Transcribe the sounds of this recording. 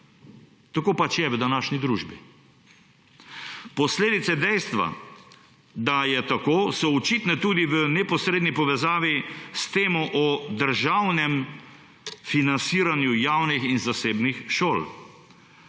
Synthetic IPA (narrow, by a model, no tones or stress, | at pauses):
t̪akoːpat͡ʃjɛʋəd̪anaːʃnid̪ɾuːʒbi | pɔsleːd̪it̪sɛd̪ɛjst̪ʋa̰ | d̪ajɛt̪akoːsɔɔt͡ʃit̪nɛt̪uːd̪iʋənɛpɔsɾed̪nipɔʋɛzaːʋist̪eːmɔʔɔd̪əɾʒawnɛm | finansiːɾanjujaːwnixinzaseːbnixʃoːl